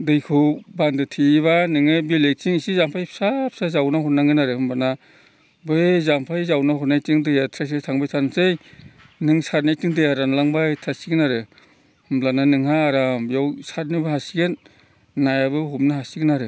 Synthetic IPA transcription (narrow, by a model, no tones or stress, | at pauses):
dɯjkʰɯbandɯtʰiβanɯŋɯbilek̚t͡ʃiŋisizampʰajpʰsap̚sazawnahutnaŋɡɯnaɾɯhɯmblana | bɯzampʰajzawnaɦɔɾnajtɯŋdɯjatʰɾas̬ajtʰaŋbajsʰanasej | nɯŋsaɾnajtiŋdɯjaɾanlaŋbajtʰasiɡnaɾɯ | hɯmblananɯŋɦaːɾambjawsaɾnɯbahasiɡenː | ajabɯɦup̚nahasiɡnaɾɯ